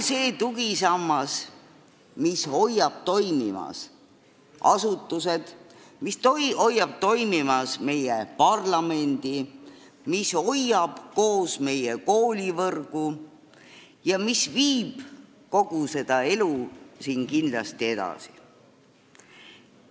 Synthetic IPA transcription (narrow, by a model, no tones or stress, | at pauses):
se̞ːt̪uɡ̥isɑmːɑs | misho̞jːɑb̥t̪o̞jmimɑ̰s | ɑ̰sut̪ːˑuse̞d̪̥mist̪oo̞jːɑb̥̚t̪o̞jmimɑsme̞jepɑrlɑme̞nd̪̥i | miso̞jɑb̥ko̞ːsme̞jeko̞ːlʲivɤrɡ̥u | jɑmisviːb̥ | ko̞ɡ̥use̞d̪̥ɑe̞lusiːnkind̪lɑst̪ie̞d̪̥ɑ̰si̥